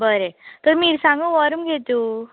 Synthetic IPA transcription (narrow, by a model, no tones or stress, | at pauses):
bəɾet̪ɔɾmiːɾsãŋɡũʋɔɾumɡet̪u